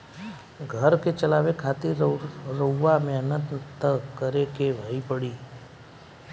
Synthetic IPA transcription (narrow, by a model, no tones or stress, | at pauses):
ɡʱəɾket͡ʃəlaːʋekʰaːt̪iɾəʋamẽənə̃nt̪t̪əkəɾekeʋʱəipəɽiː